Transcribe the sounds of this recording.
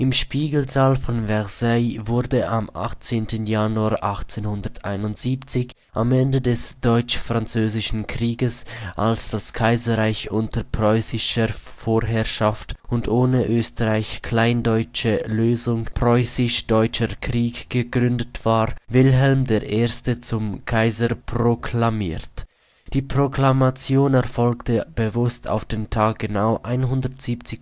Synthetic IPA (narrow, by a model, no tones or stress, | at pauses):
ʔɪmʃpiːɡəl̩zaːlfɔnvɛʁzaɪvʊʁdəʔamʔa̰χt͡seːntənjanuaːʔaχt͡seːnhʊndɐtaɪnʊntz̥iːpt͡sɪç | ʔamɛndədɛsd̥ɔʏt͡ʃfʁ̥ant͡søːzɪʃn̩kʁ̥iːɡəsʔa̰lsd̥askʰaɪzɐʁaɪçʔʊntəpʁ̥ɔʏsɪʃəfoːɾɦɛɾʃaftʊndʔoːnəʔøːstəʁaɪçkʰl̥aɪndɔʏt͡ʃəløːzʊŋpʁ̥ɔʏsɪʃd̥ɔʏt͡ʃəkʁ̥iːkɡ̥əɡʁʏndətv̥aːʁvɪlɦɛlmdeːɐʔeːɐstət͡sʊmkʰaɪzəpʁokʰlamḭːʁt | d̥iːpʁ̥oklamat͡sjoːnɛʁfɔlktəb̥əvʊstʰa̰ʊfd̥eːntʰaːk̚ɡ̥ənaʊʔaɪnɦʊndətz̥iːpt͡sɪ